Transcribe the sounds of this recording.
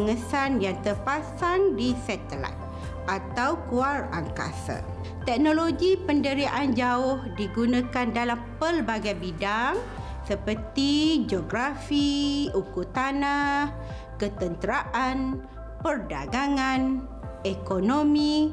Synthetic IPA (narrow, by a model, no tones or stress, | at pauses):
ŋəsanjaŋt̪ərpasaŋdisɛt̪əla̰t̪̚ | ʔat̪awkuara̰ŋka̰sa̰ | t̪ɛk̚noloɡipəndəɾiaʔand͡ʒaʊhdiɡunãkandalampəlbaɡajbidaŋ | səpərt̪id͡ʒoɡɾafiukut̪anah | kət̪ənt̪əɾaʔan | pərda̰ɡaŋan | ekonomĩ